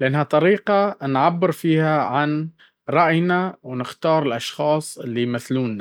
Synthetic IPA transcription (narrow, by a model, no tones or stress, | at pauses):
lɪʔanːhat̪ˤɑɾiːqanʕabːɪɾfiːhaʕan | ɾˤɑʔjnawnɪxt̪ɑːɾˤɪlʔɑʃxɑːsˤɪlːimɪθluːnːa